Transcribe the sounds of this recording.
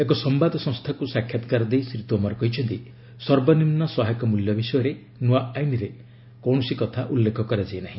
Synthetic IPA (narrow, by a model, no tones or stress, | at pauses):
ek̬ɔsɔmbad̪ɔsɔ̃ŋst̪ʰakusakʰjat̪ɔkaɾɔd̪ejsɾit̪uɔmɔɾɔkɔɦit͡ʃʰɔnt̪i | sɔɾbɔnimnɔsɔɦajkɔmuljɔbisɔjɔɾe | nuaajniɾe | kɔwɳɔsikɔt̪ʰaʔulːekʰɔkɔɾad͡ʒajnaɦĩ